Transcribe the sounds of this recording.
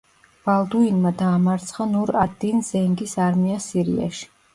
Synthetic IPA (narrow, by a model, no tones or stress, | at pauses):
b̥alˠd̪uinmad̪aːmaɾt̪sʰχanuɾad̪inzɛŋɡisaɾmiasiɾḭa̰ʃi̥